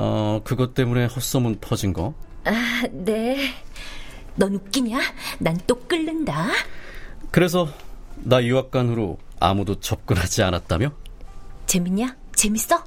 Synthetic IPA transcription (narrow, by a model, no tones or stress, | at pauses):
ʌkɯɡʌt͈e̞mune̞hʌs͈ʌmɯnpʰʌd͡ʑinɡʌane̞ | nʌnuk͈iɲanant͈ok͈ɯɭːɯnda | kɯɾe̞s̬ʰʌnajiwak̚k͈anɦɯɾoa̰mudot͡ɕʌp̚k͈ɯnɦad͡ʑianat̚t͈amjo | t͡ɕe̞miɲat͡ɕe̞mis͈ʌ